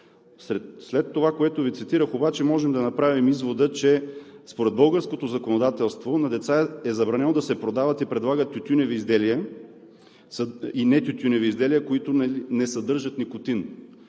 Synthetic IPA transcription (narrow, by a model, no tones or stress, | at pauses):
sɛslɛt̪ːovakoɛt̪ʊvit̪sit̪iɾəxobat͡ʃɛmɔʒɛmd̪ɐnɐpɾavimizvod̪ət͡ʃɛspoɾɛd̪̚bɤlˠɡəɾskot̪ozɐkonod̪at̪ɛlˠst̪vonɐd̪ɛt̪saɛzɐbɾɐnɛnod̪ɐsɛpɾod̪avɐt̪ipɾɛd̪lˠaɡət̪ʲːut̪ʲunɛviːzd̪ɛlijə | sinɛt̪ʲut̪ʲunɛviizd̪ɛlijəkoit̪ʊnnɛsɐd̪ɤɾʒɐt̪nikot̪in